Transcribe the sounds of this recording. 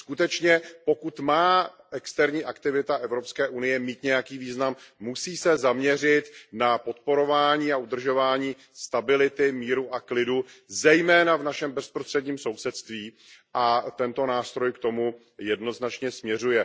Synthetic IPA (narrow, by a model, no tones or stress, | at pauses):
skut̪ɛt͡ʃɲɛpo̞kut̪maː | ʔɛkst̪ɛɾɲiːʔakt̪ɪvɪt̪aʔɛvɾo̞pskɛːʔunɪjɛmiːt̪ɲɛjakiːviːznamːusiːsɛzamɲɛr̝ɪt̪napo̞t̪po̞ɾo̞vaːɲiːaʔud̪r̩ʒo̞vaːɲiː | st̪abɪlɪt̪ɪmiːɾuʔaklɪduzɛjmɛːnavnaʃɛmbɛspɾost̪r̥ɛdɲiːmso̞wsɛt̪st̪viː | ʔat̪ɛnt̪o̞naːst̪ɾo̞jkt̪o̞mu | jɛdno̞znat͡ʃɲɛsmɲɛr̝ujɛ